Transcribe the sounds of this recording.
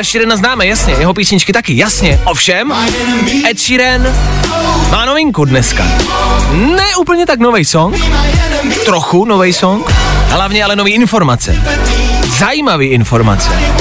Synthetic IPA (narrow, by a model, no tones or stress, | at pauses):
ɛʃiɾɛnaznaːmɛjasɲɛjɛɦo̞p̬iːsɲɪt͡ʃkɪt̪akɪjasɲɛʔofʃɛm | ʔɛt̪ʃiːɾɛn | maːnovɪŋkudnɛska̰ | nɛʔuːpl̩ɲɛt̪aknovɛjsoŋk | t̪ɾoxunovɛjsoŋkɦlavɲɛalɛno̞viːʔɪnfo̞ɾmat͡sɛ̰ | zajiːmaviːʔɪnfo̞ɾma̰t͡sɛ̰